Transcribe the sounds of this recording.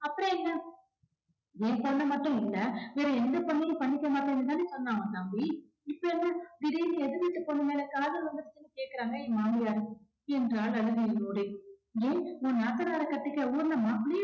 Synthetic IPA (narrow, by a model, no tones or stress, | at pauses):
ɐpːɯɾɔ̃ɛŋɡɐ | ẽːpɔɳːɐmɐʈːʊ̃ɪlːɐʋeːɾɐɛnd̪ɐpɐɳːɪjɐ̃pɐɳːɪkʲːɐmaːʈːɐ̃ɛnːɐt̪aːnɯsɔnːaːŋɐt̪aːmbi | ɪpːɐɾɐnd̪ɯɡ̪ɪɽinɯɛðɯʋɪt̪ːɐpɔːɳːɯmeːlɐkaːðɐlʋɐnd̪ɯɾɯt͡ʃːɯnːɯkeːkɪɾaːŋɡɐẽːmaːmbɪjaːɾɯkːɯ | ɛndɾɐaːlɐɐɽɯɣijloːɽeeːõːnaːt̪ːɐnaːɾɐkɐʈːɯkːɐuːɾɯnɐmaːpːɐɽɪj